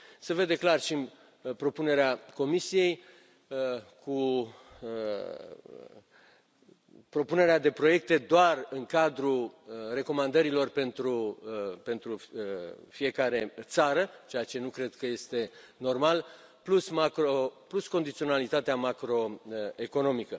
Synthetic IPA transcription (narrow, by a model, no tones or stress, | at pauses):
se̞ve̞d̪e̞klarʃi | pɾo̞pune̞ɾeako̞misije̞j | kʰu | pɾo̞pune̞ɾead̪e̞pɾo̞je̞k̚t̪e̞d̪oarɨŋkad̪ɾure̞ko̞mand̪əɾilo̞rpe̞nt̪ɾupe̞nt̪ɾu | fije̞kaɾe̞t̪saɾət͡ʃe̞at͡ʃe̞nukɾe̞d̪kəje̞st̪e̞ | no̞rmal | plusmakɾoplusko̞nd̪it̪sio̞nalit̪at̪eamakɾo̞e̞ko̞no̞mikə